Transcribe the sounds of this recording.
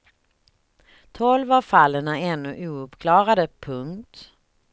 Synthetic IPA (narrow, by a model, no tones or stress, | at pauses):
t̪ʰɔlvavfalːəɳaɛnːɵʔuːɵpkʰlɑːɾad̪əpʰɵŋkt̪